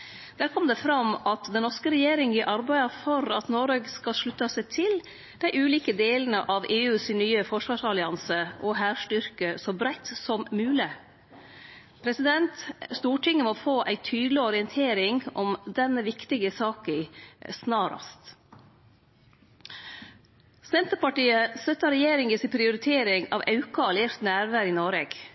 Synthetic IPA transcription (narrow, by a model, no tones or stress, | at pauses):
d̪̥æːɾkʰɔmd̪ɛfɾɑmɑt̪d̪ɛnːɔɾʂkəɾɛjeːɾɪŋɪʔɑɾbæɪɑfɔɾɑt̪noːɾeɡskɑʂɭʉt̪ːɑsæɪt̪ʰɪl | d̪æɪʔʉːliːkəd̪eːlənəʔɑʋʔeːʉːsɪnnyːəfɔʂʋɑːʂɑlɪɑnsəʔɔɦæːʂʈʏɾkəsɔbɾæɪt̪sɔmmʉːlɪ | pʰɾɛsɪd̪ɛnt̪st̪uːʈɪŋːəmɔfoːʔæɪt̪ʰyːd̪lɪɔɾɪənt̪ʰeːɾɪŋɔmd̪ɛnəʋɪkt̪ɪɡəsɑːkɪsnɑːɾɑ̰st̪ | sɛnt̪əɾpɑʈiːəst̪œt̪əɾɛjeːɾɪŋəsɪpʰɾɪʊɾɪt̪ʰeːɾɪŋɑ̰ʋɑʉkɑɑleːɾt̪næːɾʋæɾɪnoɾeːɡ̥